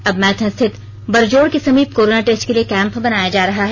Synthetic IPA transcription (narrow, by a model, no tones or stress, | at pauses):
ɐbmɛ̃ːt̪ʰɛ̃st̪ʰɪt̪ | bɐɾd͡ʒoːɽkisɐmiːbkoːɾoːnaʈeːsʈkeliekɛ̃ːmpbɐnaːjad͡ʒaːɾɐɦaɦɛ